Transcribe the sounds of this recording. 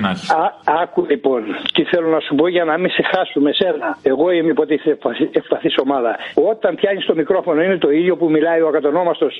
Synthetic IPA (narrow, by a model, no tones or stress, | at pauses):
ɐkulipo̞nt̪iθelo̞nɐsupo̞ʝɐnɐmisexɐsume̞se̞nɐe̞ɣo̞imepot̪iiθefɐefpɐθiso̞mɐðɐo̞t̪ɐnpçɐɲist̪o̞mikɾo̞fo̞no̞inet̪o̞iðjo̞pumilɐiokɐt̪ono̞mɐst̪o̞s